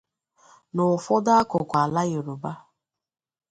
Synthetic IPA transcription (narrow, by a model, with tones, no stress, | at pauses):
nʊ˨fɔ˦da˦a˦kʊ˨kʷa˨la˦je˨ɾo˨ba˦